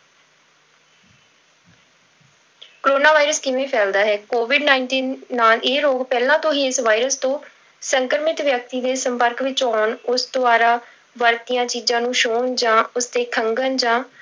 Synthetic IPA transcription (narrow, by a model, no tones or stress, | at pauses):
kɾoːnaːʋaːiɾəskɪʋẽːpʰɛːld̪aːɦɛːkoːʋɪɖnaːɪɳʈiːnːaːleːɾoːɡpɛːlãːt̪õːɦiːɪsʋaːiɾəst̪õː | səŋkɾmɪt̪ʋjək̚t̪iːd̪eːsəmpəɾkʋɪt͡ʃɔːnʊsd̪oaːɾaː | ʋəɾt̪ijãːt͡ʃiːzãːnũːʃoːɳd͡ʒãːʊsd̪eːkʰəŋɡənd͡ʒãː